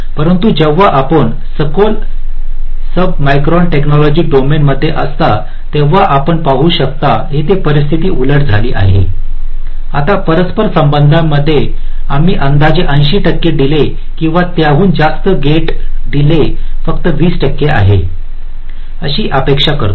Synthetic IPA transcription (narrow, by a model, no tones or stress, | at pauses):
pəɾənt̪ud͡ʑeʋːaʔapəɳ | səkol | səb̚majkɾɔnʈeknɔlɔd͡ʑiːɖomenməd̪ʱːjeʔəst̪a | t̪eʋːaʔapəɳpaɦuːɕək̚t̪aɦet̪epəɾist̪ʰit̪iːʔuləʈd͡zʱaliːʔa̰ɦḛ | at̪apəɾəspəɾsəmbənd̪ʱãmːəd̪ʱːjeam̤iːʔənd̪ad͡ʑeʔəjɕiːʈəkːeɖile | kĩw̃ʋat̪jaʋuːnd͡zast̪əɡeʈɖ̪ilefəkt̪əʋiːsʈəkːeʔa̰ɦe | əɕiːʔəpekʂakə̰ɾt̪o